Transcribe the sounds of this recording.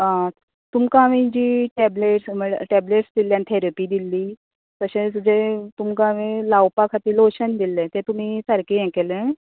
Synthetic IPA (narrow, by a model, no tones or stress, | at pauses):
ã | t̪umkãaʋĩd͡ʑiːʈɛbleʈsməʈɛbleʈsd̪ilːjãnt̪ʰeɾapiːd̪ilːiː | t̪əɕẽd͡zet̪umkãʋelawpakʰat̪iːloɕənd̪ilːẽt̪et̪um̤iːsəɾkeɛ̃kelẽ